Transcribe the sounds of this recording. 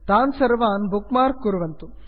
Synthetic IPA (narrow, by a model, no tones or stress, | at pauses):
t̪aːnsɐɾʋaːnbukmaːɾkːuɾuʋɐnt̪u